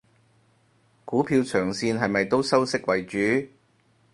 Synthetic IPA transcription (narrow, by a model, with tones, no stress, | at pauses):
kuː˨˥pʰiː˧wt͡ʃʰœː˨˩ŋsiː˧nɦɐ˨jmɐ˨jt̪o˥wsɐ˥wsɪ˥k̚wɐ˨jt͡ʃyː˨˥